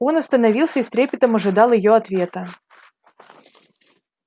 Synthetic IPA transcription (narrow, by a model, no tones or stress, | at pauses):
o̞nɐst̪ənɐvʲilˠsʲəist̪ɾʲepʲɪt̪əmɐʐɨd̪ɑlˠɪjoɐt̪vʲe̞t̪ə